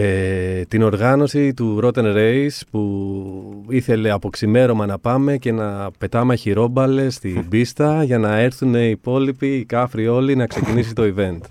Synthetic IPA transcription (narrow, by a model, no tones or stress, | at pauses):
et̪ino̞ɾɣɐno̞sit̪uɾo̞t̪enɾeispu | iθe̞le̞ɐpo̞ksime̞ɾo̞mɐnɐpɐme̞ce̞nɐpe̞t̪ɐmɐçiɾo̞bɐle̞st̪ibist̪ɐʝɐnɐe̞ɾθune̞ipo̞lipiːkɐfɾio̞linɐkse̞cinis̬it̪o̞ive̞nt̪